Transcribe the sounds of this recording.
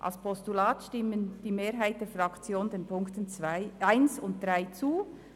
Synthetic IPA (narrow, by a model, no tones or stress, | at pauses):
ʔɑ̰lspʰɔstulaːtʃtɪmənd̥iːmeːɾɦaɪt̚d̥eːɐfʁɑkt͡sjoːndeːnpʰʊŋktənt͡svaɪaɪnsʊnt̚d̥ʁaɪt͡suː